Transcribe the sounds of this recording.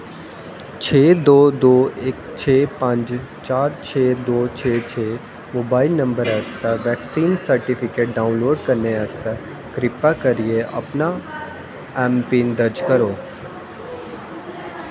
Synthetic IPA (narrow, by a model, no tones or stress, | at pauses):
t͡ʃʰeːd̪oːd̪oːekt͡ʃʰeːpɐ̃ɲd͡ʒ | t͡ʃaːɾt͡ʃʰeːd̪oːt͡ʃʰeːt͡ʃʰeː | moːbaːɪlnɐ̃mbəɾəst̪əʋɛːksiːnsɐɾʈifʰɪkeːʈ̚ɖaːʊ̃nloːɖkɐɾneəst̪a | kɾɪpːakɐɾieʔɐ̰pna | ɛːmpĩːnd̪ɐɾd͡ʒkɐɾoː